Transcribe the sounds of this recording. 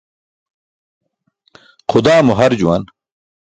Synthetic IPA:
xʊd̪aːmoɦɐɾd͡ʑuwɐ̰n

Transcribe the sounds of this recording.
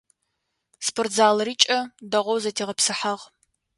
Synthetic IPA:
spʰortzaːlriːt͡ʃʼɐdɐʁʷɔwzɐtʰeːʁɐpsɨħaʁ

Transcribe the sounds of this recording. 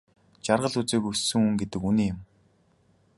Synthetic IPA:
t͡ɕarʁə̆ɮut͡seːkɵsɵ̆ŋuŋɡet̪ɘ̆kuniːjʊ̆m

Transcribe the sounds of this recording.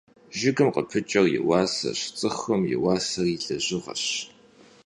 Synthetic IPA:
ʒɪɡɨmqəpʰɨt͡ʃʼɐrjɪ̰wɑːsɐ̰ɕt͡sʼɨxɐmjɪ̰wɑːsɐriɬɐʑɪʁɐ̰ɕ

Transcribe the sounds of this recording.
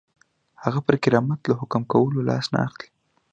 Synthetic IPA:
haɣapəɾkɪɾɑmat̪lahʊkmkawəlolɑ̰sna̰axli̥

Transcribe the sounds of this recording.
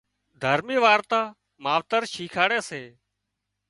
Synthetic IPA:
d̪ʱəɾmiːʋaːɾt̪aː | maːʋt̪əɾʃʰiːkʰaːɽeːseː

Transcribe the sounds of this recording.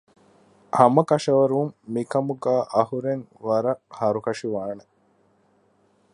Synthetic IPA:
hɐmɐkɐʃɐʋɐɾuumːikɐmuɡæːʔɐɦuɾeŋʋɐɾɐhɐɾukɐʃiʋaːne

